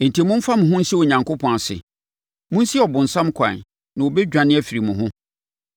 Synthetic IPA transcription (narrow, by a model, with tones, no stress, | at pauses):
n̩˨tʰi˨mʊ̃˦m̩˦fa˦mʊ̃˨ɦʊ̃˦n̩˦si˦wo˨ɲã˨ŋko˦pʰɔ̃˨a˨sɪ̰˨ | mʊ̃˦n̩˦si˦˨ɔ˨bʊ̃˨n̩˨sã˦mkʰã̰˨n | nã˨wo˨bɛ˦d͡ʑᶣã˨nɪ̃˦æ˨fi˨ɾi˨mʊ̃˨ɦʊ̃˦